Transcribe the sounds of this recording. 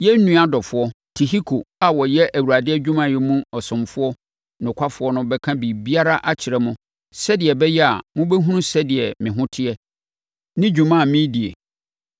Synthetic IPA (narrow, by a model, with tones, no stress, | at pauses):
jɛ˦n̩˦nũ˦a˦dɔ˨fʊ˦ɔ˦tʰi˨ɦi˦kʰo˨a˨wɔ˨jɛ˦ʔæ˨wa˨dɪ˦ɛ˦d͡ʑᶣu˦mã˨jɛ˦mũ˦ɔ˨sʊ̃˨mfʊ˦ɔ˦ | nʊ̃˨kʰʷa˦fʊ˨˦ɔ˦nʊ̃˦bɛ˦kʰã˦bi˨bi˦a˦ɾa˦ʔa˦t͡ɕʰɪ˨ɾɛ˦mʊ̃˦ | sɛ˦dɪ˨ɛ˨bɛ˦jɛ˦a̰˨mʊ̃˦bɛ˦ɦũ˦nũ˦sɛ˦dɪ˨ɛ˨mɪ̃˨ɦʊ̃˦tʰɪ˦ɛ˦ | nɪ̃˦d͡ʑᶣũ˨mã˦˨mĩ˦di˨ḛ˨